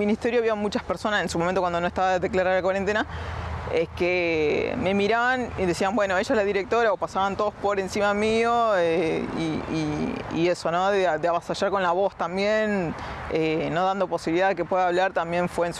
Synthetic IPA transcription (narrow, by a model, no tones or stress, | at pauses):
minist̪eɾjoaβiβamut͡ʃaspeɾso̞nase̞nsumoment̪okwandonoest̪aβaðeðeklaɾaɾlakwaɾent̪ena | ekeme̞miɾaβaniðe̞siambwe̞no̞e̞ʃaelaðiɾe̞k̚t̪o̞ɾaopasaβant̪oðospo̞ɾe̞nsimamio̞eḭiḭeso̞no̞ðeðeaβasaʒaɾko̞nlaβo̞st̪ambjeneno̞ðand̪o̞po̞siβiliðaðekepweðaːβlaɾt̪ambje̞ɱfweːns